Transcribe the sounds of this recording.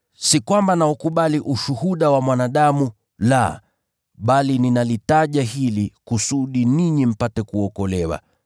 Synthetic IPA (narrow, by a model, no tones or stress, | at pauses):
sikwambanaukuɓaliʔuʃuhuɗawamwanaɗamu | la̰ | ɓalininalitaʄaɦilikusuɗiniɲim̩patɛkuɔkɔlɛwa̰